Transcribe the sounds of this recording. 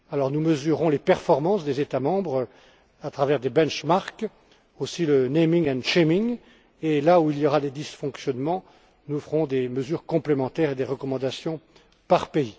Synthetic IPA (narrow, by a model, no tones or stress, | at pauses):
alɔʁnuməzyʁɔ̃lepɛʁfɔʁmɑ̃sd̪ezet̪amɑ̃bʁ | at̪χavɛʁd̪ebɛ̃nʃmaʁk | osilənemiŋɛ̃ʃemiŋ | elauiljɔʁad̪ed̪isfɔ̃ksjɔnmɑ̃ | nufʁɔ̃d̪eməzyʁkɔ̃plemɑ̃t̪ɛʁed̪eʁəkɔmɑ̃d̪asjɔ̃ | paʁpei